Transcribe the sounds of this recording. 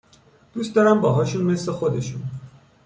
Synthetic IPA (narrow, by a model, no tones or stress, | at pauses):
d̪̥uːst̪d̪ɒːɾæmbɒːɦɒːʃunme̞sle̞xo̞d̪e̞ʃun